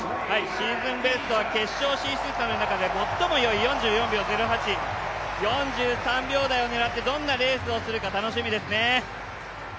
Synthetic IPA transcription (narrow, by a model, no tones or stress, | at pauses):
haiɕĩzɨ̃mbe̞sɨ̥t̪o̞βake̞ɕːo̞ːɕĩsɨsanonakad̪e̞mo̞t̪ːo̞mo̞jo̞ijõ̞ɲ̟d͡ʑɨːjõ̞mbʲjo̞ːze̞ɾoɦat͡ɕijõ̞ɲd͡ʑɨːsãmbʲo̞ːd̪aio̞ne̞ɾat̪ːe̞d̪õ̞nːaɾe̞ːsɨo̞sɨɾɯ̟kat̪ano̞ɕimʲid̪e̞sɨne̞